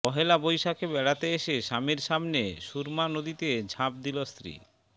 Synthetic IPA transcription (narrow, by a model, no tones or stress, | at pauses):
pɔɦelabojʃakebɛɽat̪eeʃeʃamiɾʃamneʃuɾmanod̪it̪ed͡ʑʱap̚d̪ilost̪ɾḭ